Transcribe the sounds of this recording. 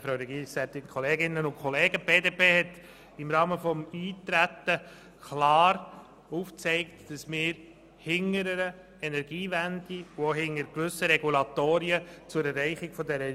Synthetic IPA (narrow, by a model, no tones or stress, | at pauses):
fɾɑʊɾɛɡiːsɛt̪ɪnkʰχɔleːɡɪnːənʊnkʰχɔleːɡəb̥eːdeːpʰeːhɛt̪ | ɪmɾɑːməfɔmiːt̪ɾæt̪ːə | klɑːɾ | uft͡sɛɪktd̥ɑsmɪːɾ | hɪŋəɾəɾə | ɛnɛɾɡ̥iːvændiuoɦɪŋəɾkʋʏsəɾɛɡulɑt̪oːɾiət͡sʊɾɛrɛɪχɪɡ̥fɔdɛɾə